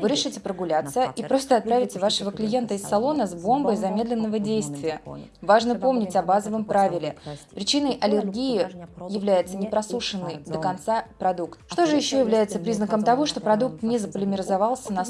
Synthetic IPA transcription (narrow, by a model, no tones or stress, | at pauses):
vɨɾʲɪʂɨtʲɪpɾəɡʊlʲat̪səipɾo̞st̪əɐt̪̚pɾavʲɪtʲɪvaʂəvəklʲɪje̞nt̪əɪsːɐlˠo̞nəzbo̞mbəjzɐmʲe̞d̪lʲɪnːəvədʲejst̪vʲɪjəvaʐnəpo̞mnʲɪtʲɐbazəvəmpɾavʲɪlʲɪpɾʲɪt͡ɕinəjʔɐlʲɪrɡʲijɪjɪvlʲæjɪt̪sənʲɪpɾɐsuʂɨnːɨjd̪əkɐnt̪sapɾɐd̪ukt̪̚ʂt̪o̞ʐɨjɪɕːojɪvlʲæjɪt̪səpɾʲiznəkəmt̪ɐvo̞ʂt̪o̞pɾɐd̪uk̚t̪nʲɪzəpəlʲɪmʲɪɾɪzavɑlˠsʲənɐ